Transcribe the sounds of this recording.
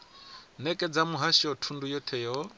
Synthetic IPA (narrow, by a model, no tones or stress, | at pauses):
nɛkʼɛd͡zamuɦaʃiɔtʰundujɔtʰɛjɔ